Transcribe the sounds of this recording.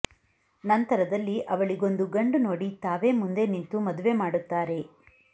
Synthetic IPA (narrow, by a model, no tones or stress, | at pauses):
nɐnt̪ɐɾɐd̪ɐlːiʔɐʋɐɭiɡo̞nd̪uɡɐɳɖuno̞ːɽit̪aːʋe̞ːmund̪e̞nint̪umɐd̪uʋe̞maːɽut̪ːaːɾe̞